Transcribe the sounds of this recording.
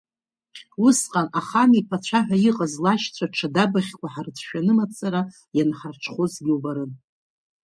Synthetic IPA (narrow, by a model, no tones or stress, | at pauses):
usqʼanaχamipʰat͡ɕʷʰaħʷᶣaiqʼazlaʃt͡sʷʰaʈ͡ʂʰadabaχʲkʷaħart͡sʷʰʃᶣanɨmat͡sʼaɾa | janħarʈ͡ʂʰχozɡʲɪwbaɾɨn